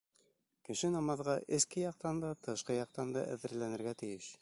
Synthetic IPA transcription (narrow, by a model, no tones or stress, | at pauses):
kɘ̆ʃɘnɑmɑðʁɑʔɘ̆skɘjɑq̚t̪ɑnd̪ɑt̪ʰɤ̆ʃqɤjɑq̚t̪ɑnd̪ɑ̰ʔæ̰ðɘ̆ɾlænɘ̆ɾɡæt̪ɘ̆jɘʃ